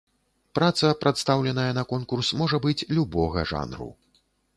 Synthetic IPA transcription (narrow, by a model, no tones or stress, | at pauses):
pɾat̪sɐpɾat̪st̪awlʲɛnɐjɐnɐkɔnkursmɔʐɐbɨt͡sʲlʲubɔɣɐ̰ʐa̰nɾṵ